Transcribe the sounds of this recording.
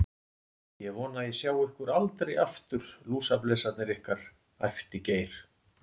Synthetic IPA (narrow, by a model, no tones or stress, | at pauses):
jɛvɔːnaɛsjaːwɪhkʏɾalt̪ɾejaft̪ʏɾ̥luːsaplɛːsat̪nɪɾɪhkaɾ̥ | a̰jft̪iceːjɾ̥